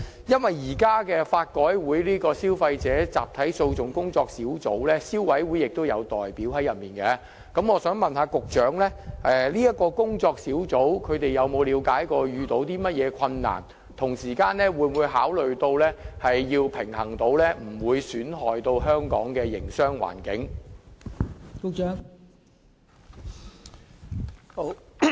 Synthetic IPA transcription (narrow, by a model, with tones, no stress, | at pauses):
jɐ˥nwɐ˨jjiː˨˩kaː˥kɛː˧faː˧t̚kɔː˨˥jwuː˨˥jliː˥kɔː˧siː˥wfɐ˧jt͡sɛː˨˥t͡sa̰ː˨p̚t̪ʰɐ˨˥jso˧wt͡sʊ˨˩ŋkʊ˥ŋt͡sɔː˧k̚siː˨˥wt͡so˨˥wlɛː˥siː˥wwɐ˨˥jwuː˨˥jɪ˨k̚t̪o˥wjɐ˨˧wt̪ɔː˨jpiː˨˥wɦɐ˨˥jɐ˨t̚miː˨nkɛ˧˥ | kɐ˨˥mŋɔː˨˧sœː˨˥ŋmɐ˨nɦaː˨˧kʊ˨k̚t͡ʃœː˨˥ŋlɛː˥ʔɛ˨liː˥ɐ˥t̚kːɔː˧kʊ˥ŋt͡sɔː˧k̚siː˨˥wt͡so˨˥wkʰɵ˨˧ɥt̪e˨jɐ˨˧wmo˨˧wliː˨˧wkaː˨˥jkɔː˧jyː˨t̪o˨˥wt̪iː˥mɐ˥t̚jɛː˨˧kʰɐ˧nːa̰ː˨˩n | t̪ʰʊ˨˩ŋsiː˨˩kaː˧nlɛː˥wuː˨˧nwuː˨˧jɦaː˨˥wlɵ˨ɥt̪o˧wlɛː˥hɐ˨jːiː˧wpʰɪ˨˩ŋhɐ˨˩ŋt̪o˨˧wlɛː˥m̩˨˩wuː˨˧jsyː˨˥nɦɔː˨jt̪o˧wɦœː˥ŋkɔ̰ː˨˥ŋkɛː˧jɪ˨˩ŋsœː˥ŋwa̰ː˨˩nkɪ˨˥ŋ | kʊ˨k̚t͡ʃːŋ